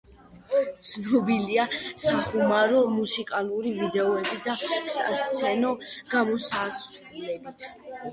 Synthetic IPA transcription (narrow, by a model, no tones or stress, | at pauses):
t̪sʰnɔbiliasaχumaɾɔmusikʼalˠuɾivid̪ɛɔɛbid̪asa̰st̪sʰɛnɔɡ̥amɔsat̪s | lɛbit̪ʰ